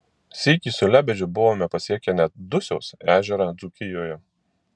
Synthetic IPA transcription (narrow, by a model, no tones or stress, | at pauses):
sʲiːkʲiːsʊlʲæːbʲɛd͡ʒʲʊbʊʋoːmʲɛpɐsʲiɛkʲɛnʲɛt̪̚d̪ʊsʲɛʊsæːʒʲɛɾɑd̪zukʲɪjoːjɛ